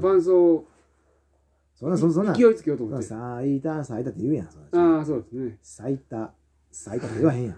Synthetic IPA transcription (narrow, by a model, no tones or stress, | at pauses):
ɸãɰ̃soː | sõnːãsonsõnːãkijoit͡sɨ̥kejoːt̪omossait̪asait̪at̪ːejɯ̟ːjã̰sonaasoːd̪esnesait̪a | sait̪at̪oɯβaɦẽjã̰